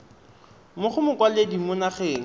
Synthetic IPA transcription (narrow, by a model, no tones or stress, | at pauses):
mʊχʊmʊkwaledimʊnaχeːŋ̩